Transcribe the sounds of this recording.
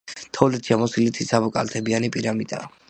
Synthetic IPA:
t̪ʰɔlɛt̪ʰʃiamɔsilit̪ʰisʰabɔkʼa̰lt̪ʰɛbianipʼiɾamit̪ʼa̰

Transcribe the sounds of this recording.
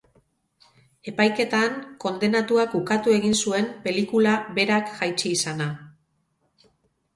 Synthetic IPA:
e̞pajke̞t̪aŋko̞nd̪e̞nat̪uakukat̪ue̞ɣ̞insue̞mpe̞likulaβe̞ɾakʝajt͡ʃiːsana

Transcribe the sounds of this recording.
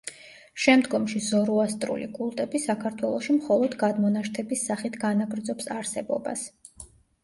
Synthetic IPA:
ʃɛmd̪ɡɔmʃizɔɾuast̪ʼɾṵlḭkʼulˠt̪ʼɛbisakʰaɾt̪ʰwɛlˠɔʃimχɔlˠɔd̪ɡad̪mɔnaʃt̪ʰɛbisːaχit̪ʰɡanaɡɾd̪zɔpsaɾsɛbɔ̰ba̰s

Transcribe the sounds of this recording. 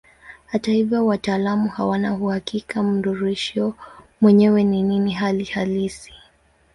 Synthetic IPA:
hatahivjɔwataːlamuhawanahuhakikam̩dɔɾɛʃɔmwɛɲɛwɛnininiɦalihalisi̥

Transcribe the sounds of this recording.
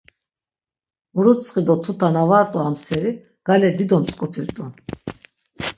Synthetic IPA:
uɾusʰχid̪ɔt̪ʰut̪ʰanavaɾt̪ʼɔamsɛɾi | ɡ̥alɛd̪id̪ɔmt͡sʼkʼupʰiɾt̪ʼun

